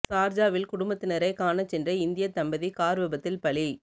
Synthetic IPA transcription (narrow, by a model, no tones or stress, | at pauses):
saːɾd͡ʒaːʋɪlkʊɽʊmbɐt̪ːɪnɐɾɐɪkaːnɐt͡ʃɛndrɐɪnd̪ɪjɐt̪ːɐmbɐðikaːɾʋɐbɐt̪ːɪlpɐɭi